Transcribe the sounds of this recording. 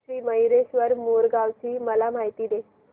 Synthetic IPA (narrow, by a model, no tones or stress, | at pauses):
iːməɦjɾeɕʋəɾmoɾɡaʋt͡ɕiːməlamaɦit̪iːd̪e